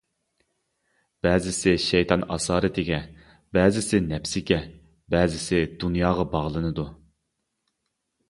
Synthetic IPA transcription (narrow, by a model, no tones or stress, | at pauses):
b̥ɛːzɪsɪʃɛjt̪ʰɑnɑ̰sɑːɾɨt̪ʰɪɡʲɛ | bɛːzɪsɪnɛpsɪɡʲɛ | bɛːzɪsɪd̪unjɑːʁɑbɑʁlˠɨnɨd̪u